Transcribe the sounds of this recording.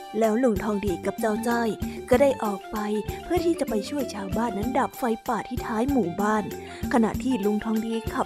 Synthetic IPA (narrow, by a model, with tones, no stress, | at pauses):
lɛː˦˥wlu˧ŋt̪ʰɔː˧ŋdiː˧ka˨˩p̚t͡ɕaː˥˩wt͡ɕaː˥˩jkɔː˥˩daː˥˩jʔɔː˨˩k̚pa˧jpʰɯ˥˩ɐt̪ʰiː˥˩t͡ɕa˨˩pa˧jt͡ɕʰu˥˩əjt͡ɕʰaː˧wbaː˥˩nːa˦˥ndaː˨˩p̚fa˧jpaː˨˩t̪ʰːiː˥˩t̪ʰaː˦˥jmuː˨˩baː˥˩n | kʰa˧na̰˨˩ʔt̪ʰiː˥˩lu˧ŋt̪ʰɔː˧ŋdiː˧kʰa˧˩